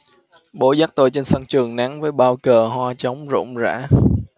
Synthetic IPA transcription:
ɓo˧˩˦zaː˦˥k̚t̪o˧jt͡ɕe˧nsa˧ŋt͡ɕɨ˨˩əŋna˨˦ŋvəː˨˦jɓaː˧wkəː˨˩ɦwaː˧t͡ɕə˨˦wŋ͡mzʊ̰˧˥wŋ͡mza̰ː˧˥

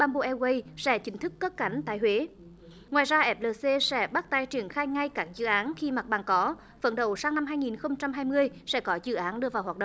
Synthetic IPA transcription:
ɓaː˧˩nɓo̰˧˨ʔɛ˧wə˧jsɛ̰˧˥t͡ɕï˨˦ŋ̟t̪ɨ˦˥kːə˦˥p̚kːa˨˦jŋ̟t̪a̰ː˧˨jhwe˨˦ | ŋwaː˨˩jzaː˧ʔɛ˦˥p̚ləː˨˩se˧sɛ̰˧˥ɓa˦˥k̚t̪aː˧˩jt͡ɕi˧˩əŋxaː˧jŋa˧jkaː˦˥k̚zɨ̰˧˨ʔaː˨˦nxi˧ma˨˩t̚ɓaː˨˩nkɔ˨˦ | fə̰˧˩nɗə˧˩wsaː˧ŋna˧mɦaː˧jŋi˨˩nxə˧wŋ͡mt͡ɕa˧mɦaː˧jmɨ˧əjsɛ̰˧˥kɔ˨˦zɨ̰˧˨˩ʔaː˨˦nɗɨ˧əvaː˨˩whwaː˨˩ɗə̰˧˨

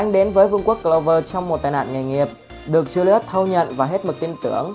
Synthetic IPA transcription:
ʔa˧ŋ̟ɗe˨˦nvəː˨˦jvɨ˧əŋku˦˥ək̚klə˧wvəː˧t͡ɕɔ˧wŋ͡mmo˨˩t̚t̪aː˨˩na̰ː˧˨nŋa˨˩ŋi˨˩əp̚ | ɗɨ˨˩ək̚t͡ɕɨ˧li˧˦˥t̚t̪ʰə˧wɲə̰˧˨nvaː˨˩ɦe˦˥t̚mɨ˨˩k̚t̪i˧nt̪ɨ̰˧˩əŋ

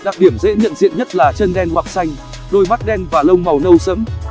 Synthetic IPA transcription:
ɗaː˨˩ɗi˧˩əmzḛ˧˥ɲə̰˧˨nzḭ˧˨ənɲə˦˥t̚laː˨˩t͡ɕə˧nɗɛ˧nwaː˨˩k̚sa˧jŋ̟ | ɗo˧jma˦˥t̚ɗɛ˧nvaː˨˩lə˧wŋ͡mma˨˩wnə˧wsə˨˦m

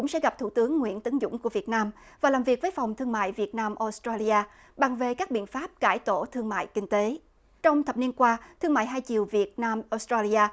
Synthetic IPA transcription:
ʊ̰˧˥ŋ͡msɛ̰˧˥ɣa˨˩p̚t̪ʰu˧˩t̪ɨ˨˦əŋːwḭ˧˥ənt̪ɨ˨˦ŋzʊ̰˧˥ŋ͡mku˧˩əvi˨˩ət̚naː˧m | vaː˨˩laː˨˩mvi˨˩ək̚vːjfa˨˩wŋ͡mt̪ʰɨ˧əŋma̰ː˧˨jvi˨˩ət̚naː˧mʔo˧˥st̪ɹaː˧li˧ʔaː˧ | ɓa˨˩ŋve˨˩kaː˦˥k̚ɓḭ˧˨ənfaː˦˥p̚kaː˧˩jt̪o˧˩t̪ʰɨ˧əŋma̰ː˧˨jkï˧ŋ̟t̪e˨˦ | t͡ɕɔ˧wŋ͡mt̪ʰə˨˩p̚ni˧ənkwaː˧t̪ʰɨ˧əŋma̰ː˧˨jɦaː˧jt͡ɕḭ˨˩əwvi˨˩ət̚naː˧mʔo˧˦˥st̪aː˧li˧aː˧

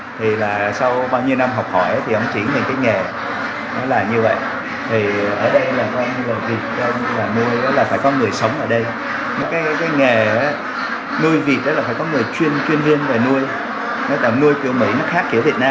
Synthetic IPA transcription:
t̪ʰi˨˩laː˨˩sa˧wɓaː˧wɲi˧wna˧mɦɔ˨˩wk͡p̚hɔ˧˩jʔaː˨˦t̪ʰi˨˩ʔə˧wŋ͡mt͡ɕi˧˩ɲə˨˩nkaː˨˦jŋe˨˩ | ɗɔ˨˦laː˨˩ɲɨ˧və̰˧˨jʔ | t̪ʰi˨˩ʔəː˧˩ɗə˧jlaː˨˩kɔ˧ɲɨ˧laː˨˩vi˨˩t̚t͡ɕɔ˧ | laː˨˩nu˧əjɔ˨˦laː˨˩faː˧˩jkɔ˨˦ŋɨ˨˩əjsə˨˦wŋ͡mʔəː˧˩ɗə˧j | nɔ˨˦kaː˨˦jkaː˨˦jŋe˨˩aː˨˦ | nu˧əjvi˨˩t̚ɗəː˨˦laː˨˩faː˧˩jkɔ˨˦ŋɨ˨˩əjt͡ɕwi˧ənt͡ɕwi˧ənvi˧ənve˨˩nu˧əj | nɔ˨˦laː˧˨˩nu˧əjki˧˩əwmḭ˧˥nɨ˦˥k̚xaː˦˥k̚ːḭ˧˩vi˨˩t̚naː˧

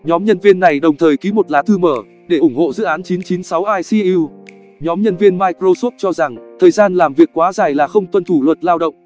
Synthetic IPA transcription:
ɲɔ˨˦mɲə˧nvi˧ənːa˨˩jɗə˨˩wŋ͡mt̪ʰəː˨˩jki˨˦mo˨˩t̚laː˨˦t̪ʰɨ˧məː˧˩ | ɗe˧˩ʔʊ˧˩ŋ͡mho̰˧˨zɨ̰˧˨ʔaː˨˦nt͡ɕi˨˦nt͡ɕi˨˦nsa˨˦wʔaː˧jsi˧i˧w | ɲɔ˨˦mɲə˧nvi˧ənmaː˧jkɾo˧so˦˥p̚t͡ɕɔ˧za˨˩ŋt̪ʰəː˨˩jzaː˧nlaː˨˩mvi˨˩ək̚ːwaː˨˦zaː˨˩jlaː˨˩xə˧wŋ͡mt̪wə˧nt̪ʰu˧˩lwə˨˩t̚laː˧wɗə̰˧˨wŋ͡m

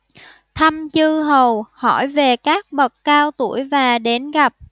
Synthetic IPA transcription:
t̪ʰa˧mt͡ɕɨ˧ɦə˨˩whɔ˧˩jve˨˩kaː˦˥k̚ɓə˨˩k̚kaː˧wt̪u˧˩əjvaː˨˩ɗe˨˦nɣa˨˩p̚

